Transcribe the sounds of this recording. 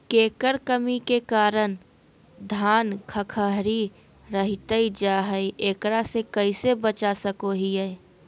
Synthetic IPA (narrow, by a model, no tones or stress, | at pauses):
keːkəɾkəmikekaːɾən | d̪ʱaːnkʰəkʰəɦɾi | ɾəɦit̪əid͡ʒaːɦəiʔeːkɾasekəisebət͡ʃasəkoɦiɛ